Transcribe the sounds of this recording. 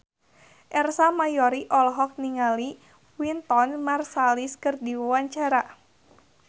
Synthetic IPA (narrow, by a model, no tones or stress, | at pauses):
ʔɛrsamajɔɾiʔɔlɔɦɔk̚niŋali | wint̪ɔnmarsaliskɨrdiwawaɲt͡ʃaɾa